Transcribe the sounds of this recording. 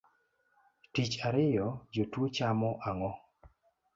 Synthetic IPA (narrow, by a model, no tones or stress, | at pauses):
tit͡ʃaɾɪjɔd͡ʒotwot͡ʃamɔʔaŋɔ